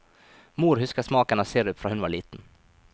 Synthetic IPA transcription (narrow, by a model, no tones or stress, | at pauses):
muːɾɦʉskasmɑːkaɳaseːɾɵpːfɾɑːhʉnʋaɭiːt̪n̩